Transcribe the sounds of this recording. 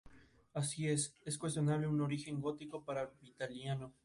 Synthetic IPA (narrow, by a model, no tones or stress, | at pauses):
asie̞seskwe̞s̬t̪jo̞naβleuno̞ɾixe̞ŋɡo̞t̪iko̞paɾalbit̪aljano̞